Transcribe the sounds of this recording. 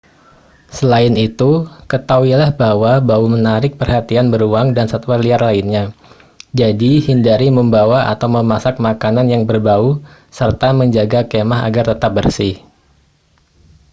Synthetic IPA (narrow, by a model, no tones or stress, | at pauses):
səlaɪnit̪ukət̪auwilahbahwabaumənaɾɪk̚pərhat̪ianbəɾuaŋdansat̪ualiarlainɲa | d͡ʒadihindaɾiməmbawaa̰t̪awməmasak̚makananjaŋbərbau | sərt̪aməɲd͡ʒaɡakemaɦa̰ɡart̪ət̪ap̚bərsɪh